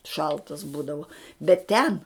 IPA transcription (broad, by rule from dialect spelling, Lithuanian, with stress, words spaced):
ˈʃɐlˠtɐs ˈbuːdɐʋɐ bʲɛt ˈtʲɛn